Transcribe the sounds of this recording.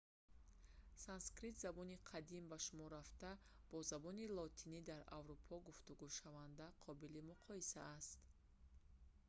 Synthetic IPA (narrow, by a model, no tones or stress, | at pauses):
sanskɾit̪zabɔniqʰad̪imbaʃumɔɾaft̪a | b̥ɔzabɔnilɔt̪ʰinid̪aɾa̰vɾupʰɔɡuft̪uɡuʃavand̪aqʰɔbilimuqʰɔisaːst̪